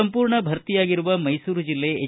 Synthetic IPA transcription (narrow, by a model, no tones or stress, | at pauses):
ɐmpuːɾɳɐbʱɐɾt̪ijaːɡiɾuʋɐmɐjsuːɾud͡ʒilːe̞e